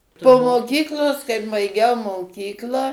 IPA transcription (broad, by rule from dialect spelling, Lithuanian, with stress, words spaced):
poː moːˈkʲiːklˠoːs kɐɪp bɐɪˈɡʲɛʊ moːˈkʲiːklˠɑː